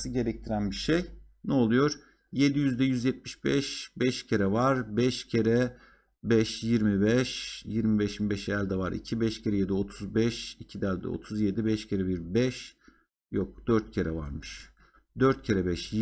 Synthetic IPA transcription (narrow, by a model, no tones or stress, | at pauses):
sɯɟe̞ɾɛc̚t̪ʰiɾænbiʃej | nɛo̞lˠujo̞ɾ̥ | je̞d̪ijyzd̪ɛjyzjɛt̪̚miʃbɛʃbɛʃcʰeɾɛvaɾbɛʃcʰeɾɛ | bɛʃjiɾmibɛʃjiɾmibɛʃimbɛʃejæɾʲd̪ɛvaɾḭcʰibɛʃcʰeɾɛjed̪io̞t̪ʰuzbɛʃicʰid̪æɾd̪ɛ̰o̞̰t̪ʰuzje̞d̪ibɛʃcʰeɾɛbiɾbɛʃ | jok̚d̪̥øɾt̪̚cʰeɾɛva̰ɾmɯʃ | d̪øɾt̪̚cʰeɾɛbɛʃj